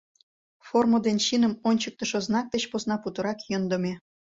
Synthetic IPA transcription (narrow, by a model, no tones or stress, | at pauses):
formod̪enɕinə̆monʲt͡ɕək̚t̪ə̆ʃoznɑk̚t̪ət͡ɕposnɑput̪ə̆ɾɑkjond̪ə̆me